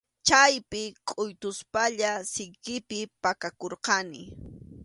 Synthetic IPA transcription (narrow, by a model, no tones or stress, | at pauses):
t͡ʃajpɪkʼʊjt̪ʊspaʎasɪjkɪpɪpakakoɾqɑnɪ